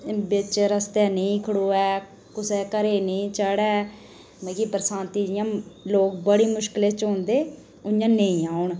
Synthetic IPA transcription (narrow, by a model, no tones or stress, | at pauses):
bɪt͡ʃɾəst̪ɛːnəĩːkʰəɽoːɛː | kʊsɛːkəɾeːnəĩːt͡ʃəɽɛː | məkipɾəsãːnt̪iːd͡ʒɪjãːloːkbəɽiːmʊʃkɪleːt͡ʃõːnd̪eː | ʊjãːnəĩːaːʊɳ